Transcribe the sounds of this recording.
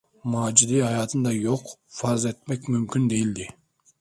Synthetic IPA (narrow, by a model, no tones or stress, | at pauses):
mɑːd͡ʒid̪ihɑjɑːt̪ʰɨnd̪ɑjoqfɑɾzet̪̚mɛkʲmymkʲʰynd̪ejild̪ɪ